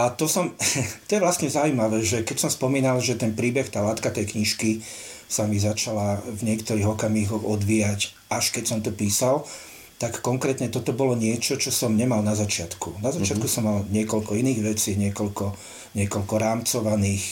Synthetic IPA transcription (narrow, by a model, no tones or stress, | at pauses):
at̪ɔsɔmt̪ɔjɛʋlast̪ɲɛzaumaʋɛːʒɛkɛcsɔmspɔmiːnalʒɛt̪ɛnpɾiːbɛxt̪aːlaːt̪kat̪ɛjkɲiʃki | samizat͡ʃalavɲɛkt̪ɔɾiːɣɔkamiːɣɔɔd̪ʋijac | aʃkɛcsɔmt̪ɔpiːsal | t̪akːɔŋkɾɛːt̪ɲɛt̪ɔt̪ɔbɔlɔɲɪɛt͡ʃɔt͡ʃɔsɔmɲɛmalnazat͡ʃɪat̪kunazat͡ʃɪat̪kusɔmːalɲɪɛkɔlkɔiniːɣʋɛt͡siːɲɪɛkɔlkɔ | ɲɪɛkɔlkɔɾaːmt͡sɔʋaniːx